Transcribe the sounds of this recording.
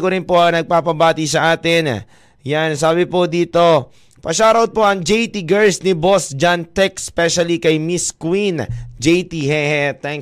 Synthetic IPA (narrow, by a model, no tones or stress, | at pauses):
koɾɪnpo̞ɐŋnɐɡ̚paːpɐbaːt̪isɐʔaːt̪ɪn | jansaːbɪpod̪iːt̪o̞ | pɐʃaːɾɐwd̪̚po̞ʔɐŋd͡ʒɛjt̪iɡɛɹsnɪbosd͡ʒant̪ɛk̚spɛʃɐlikɐjmiskwind͡ʒɛjt̪iɦɛhɛt̪ɛŋ